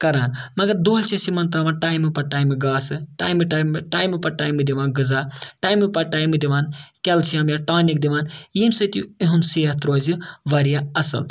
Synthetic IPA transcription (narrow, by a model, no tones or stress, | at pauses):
kɐɾaːnmɐɡɐɾd̪oːlt͡ʃʰisimɐnt̪aʋaːnʈaːjmɨpɐʈaːjmɨɡaːsɨʈa̰ːjmiʈamʈaːjmɨpɐʈaːjmɨd̪iʋaːnɡɨzaːʈaːjmipɐʈaːjmɨd̪iʋaːnkɛlt͡ʃʰijaːmjaʈaːnik̚d̪iʋaːnjimsɐt̪juiɦunsiːɦɐt̪ɾoːziʋɐɾijaɐsɐ̰l